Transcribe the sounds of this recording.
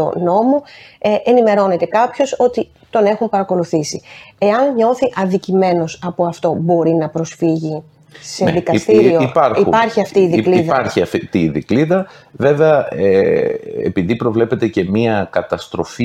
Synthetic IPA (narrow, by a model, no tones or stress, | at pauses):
o̰no̞moʔenime̞ɾo̞ne̞t̪e̞kɐpço̞so̞t̪i | t̪o̞ne̞xumpɐɾɐko̞luθisie̞ɐnɲo̞θiʔɐnðicime̞no̞sɐpo̞ɐft̪o̞bo̞ɾinɐpɾo̞sfiʝi | seðikɐst̪iɾio̞ipɐɾxipɐɾçiɐft̪iːðikliðɐɐɾçiɐft̪iːðikliðɐ | ve̞veɐe | ḛpiðipɾo̞vle̞pe̞t̪e̞ce̞miɐkɐt̪ɐst̪ɾo̞̰fi